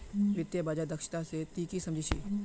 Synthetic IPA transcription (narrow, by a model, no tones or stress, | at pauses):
ʋɪt̪jəbaːd͡ʒad̪ɐkʃɪ̥t̪aset̪iːkisɐ̃md͡ʒʱit͡ʃʰḭː